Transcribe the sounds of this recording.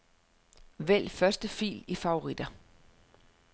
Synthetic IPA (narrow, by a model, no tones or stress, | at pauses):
ʋel̰fɶɐsd̥əfḭːlifɑ̈o̝ʁid̥ɐ